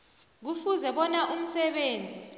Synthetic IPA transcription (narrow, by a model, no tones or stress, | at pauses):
k̬ufuzɛɓɔnaʔum̩sɛɓeːnd͡zʱi